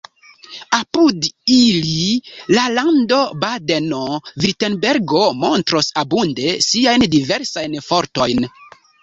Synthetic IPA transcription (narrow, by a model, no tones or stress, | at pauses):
apudililalando̞badenoviɾtenbe̞ɾɡo̞mo̞ntɾosabunde̞siajndive̞ɾsajnfo̞ɾto̞jn